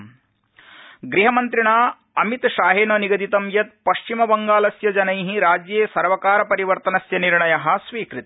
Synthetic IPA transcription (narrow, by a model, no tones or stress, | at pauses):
ɡɾiɦɐmɐnt̪ɾiɳaː | ɐmit̪ʃaːɦeːnɐniɡɐd̪it̪ɐmjɐt̪̚pɐʃt͡ʃimɐbɐŋɡaːlɐsjɐd͡ʒɐnɐjɦiɾaːd͡ʒjeːsɐɾʋɐkaːɾɐpɐɾiʋɐɾt̪ɐnɐsjɐniɾɳɐjɐɦɐ̆sʋiːkɾit̪i̥